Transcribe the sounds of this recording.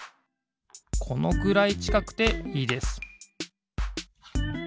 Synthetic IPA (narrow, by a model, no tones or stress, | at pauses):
kʰo̞no̞ɡɯ̟ɾait͡ɕi̥kakɯ̟̥t̪e̞iːd̪e̞sɨ̥